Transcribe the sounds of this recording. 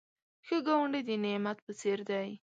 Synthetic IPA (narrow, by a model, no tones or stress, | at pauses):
xəɡawaɳɖəjd̪ənemat̪̚pət͡seɾd̪aj